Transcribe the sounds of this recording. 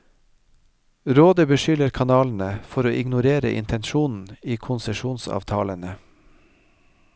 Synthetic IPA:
ɾoːd̪əbəʃʏləɾkʰɑnɑːln̩əfɔɾoːʔɪɡnʊɾeːɾə̰ʔɪ̰nt̪ʰɛnʃuːnn̩iːkʰʊnsəʃuːnsɑ̰ːʋt̪ʰɑ̰ːlənə

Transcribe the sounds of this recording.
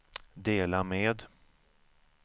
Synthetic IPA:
d̪eːlameːd̪

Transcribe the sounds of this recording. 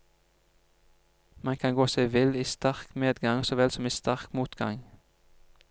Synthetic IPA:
mɑnkʰɑnɡoːseɪʋɪliːst̪æʁkneːd̪ɡɑŋsoːʋɛlsɔmiːst̪æʁkmuːt̪ɡɑ̰ŋ

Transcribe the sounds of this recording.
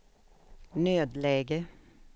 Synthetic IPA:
nøːd̪leːɡə

